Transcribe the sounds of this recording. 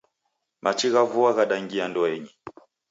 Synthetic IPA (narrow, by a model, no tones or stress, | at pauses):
mʔat͡ʃiɣavuaɣaɗaŋɡiandɔɛɲi